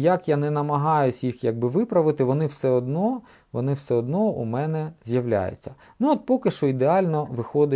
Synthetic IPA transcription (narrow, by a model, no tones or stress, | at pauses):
jɐkjanɛnɐmɐɦɑjʊsʲjixjɐɡ̚bɪʋɪpɾɐʋɪt̪ɪʋɔnɪwsɛɔd̪nɔ | ʋɔ̰nɪwsɛɔd̪nɔṵmɛnɛzʲjɐʋlʲa̰jʊ̰t͡sʲːɐ | nuɔt̪̚pɔkɪʃt͡ʃɔid̪eɑlʲnɔʋɪxɔd̪ɪ